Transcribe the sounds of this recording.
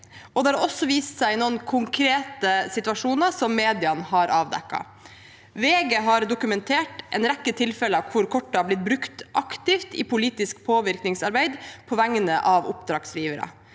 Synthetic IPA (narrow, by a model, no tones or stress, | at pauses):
ɔd̪ɛhɑɾɔsːɔʋiːst̪sæɪnuːənkʰʊŋkʰɾeːt̪əsɪt̪ʉʋɑʂuːnəɾsɔmːeːd̪ɪɑnhɑɾʔɑːʋd̪ɛ̰kːɑ̰ | ʋeːɡeɦɑɾd̪ʊkʉmɛnt̪ʰeːʈʔɛnɾækːət̪ʰɪlfɛləɑʋkʰʊɾkʰɔʈːəɑblɪt̪̚bɾʉkt̪ʔɑkt̪ɪft̪ipʊliːt̪ɪskpʰoːʋɪɾknɪŋsɑɾbæɪd̪pʰɔʋæŋənəʔɑʋʊpd̪ɾɑːksliːʋəɾə̰